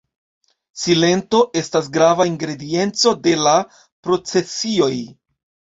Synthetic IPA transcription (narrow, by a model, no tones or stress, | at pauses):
sile̞nto̞ʔe̞stas̬ɡɾavaiŋɡɾe̞die̞nt͡so̞de̞la | pɾo̞t͡se̞sio̞j